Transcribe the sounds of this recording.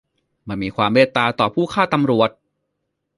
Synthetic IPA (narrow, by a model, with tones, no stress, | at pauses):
ma˥˩miː˧kʰwaː˧mːweː˥˩t̪ːaː˧t̪ɔː˨˩pʰuː˥˩kʰaː˥˩t̪a˧mɾu˨˩ət̪̚